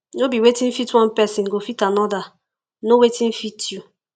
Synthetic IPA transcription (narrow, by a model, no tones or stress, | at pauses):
nobiwetĩn̩fitwɔ̃npɛsĩnɡofitanɔda | nowetĩnfitʰju